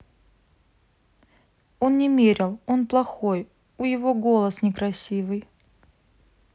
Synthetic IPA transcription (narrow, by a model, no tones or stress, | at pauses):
o̞nnʲɪmʲeɾʲɪlˠo̞nplˠɐxo̞j | ujɪvo̞ɡo̞lˠəsnʲɪkɾɐsʲivɨj